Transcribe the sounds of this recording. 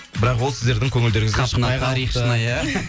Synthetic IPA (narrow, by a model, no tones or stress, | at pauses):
bɪɾɑqwo̞lˠsɪzd̪e̞ɾd̪ɪŋkʲʰɵŋɪld̪e̞ɾɪŋɪzɡɑʃqənɑɑɾiχʃənɑja